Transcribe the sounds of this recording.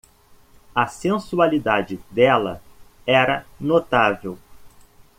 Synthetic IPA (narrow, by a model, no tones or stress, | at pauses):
ɐsẽsualid̪ad͡ʒɪd̪ɛlɐ | ɛɾɐnot̪avew